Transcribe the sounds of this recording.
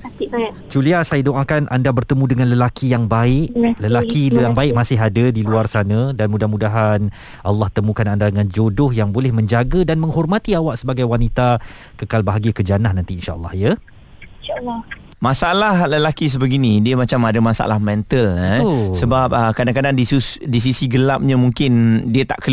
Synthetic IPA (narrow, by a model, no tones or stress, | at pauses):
at̪iʔbad͡ʒuliasajadoʔakanʔa̰ndabərt̪əmũdəŋanləlakʰijaŋbaɪʔləlakijaŋbaɪʔ̚masɪɦadədiluarsanãdanmũdahmũdaɦan | ʔa̰lːɑht̪əmũkanandadəŋãnd͡ʒodʊhjaŋbolɛhmə̃ɲd͡ʒaɡədanmə̃ŋhɔrmãt̪iawaʔsəbaɡajwanit̪a | kəkalbaɦaɡiəkəd͡ʒanahnãnt̪iinʃa̰ʔə̰lˠːɑ̰hjə | alː | mãsaalahləlakis̬əbəɡinĩdiəmat͡ʃamadəmasa̰lahmɛ̃nt̪ələsəbap̚əkadaŋkadaŋdisusdis̬isiɡəlap̚ɲamũŋkɪndiət̪a̰ʔkə